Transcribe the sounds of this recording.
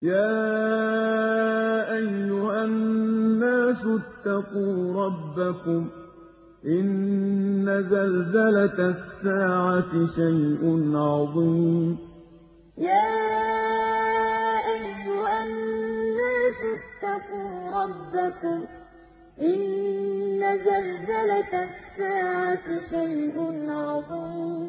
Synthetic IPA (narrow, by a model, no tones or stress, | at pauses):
jaː | ʔajːʊhanːaːsʊt̪ːaquːɾˤɑbːakʊm | ʔɪnː | azalzalat̪sːaːʕat̪ɪʃajʔʊnʕɑðˤiːmm | jaː | ʔaħjʊʔanː | aːt̪at̪ːɑquːɾˤɑbːakʊm | ʔɪnː | azalzalat̪sːaːʕat̪ʃajʔʊnʕɑðˤiːm